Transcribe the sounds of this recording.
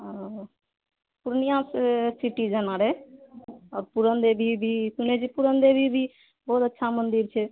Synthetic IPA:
puɾnijãssiʈid͡ʒənaɾɛ | ɔːɾpuɾənd̪ebʱibʱisuned͡ʒipuɾənd̪ebʱibʱi | bɔut̪ətːʃʰamənd̪iɾt͡ʃʰɛ

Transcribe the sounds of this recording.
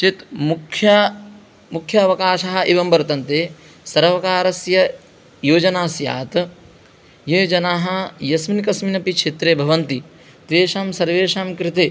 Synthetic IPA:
t͡ʃit̪mukʰjɐ | mukʰjɐːʋɐkaːʃɐɦɐ̆ʔeʋɐmbɐɾt̪ɐnt̪eː | sɐɾʋɐkaːɾɐsjɐ | joːd͡ʒɐnaːsja̰ːt̪ | jeːd͡ʒɐnaːɦɐ̆jɐsminkɐsminɐpikʂʰeːt̪ɾeːbʱɐʋɐnt̪i | t̪ɾeːʃaːmsɐɾʋeːʂaːmkɾɪt̪eː

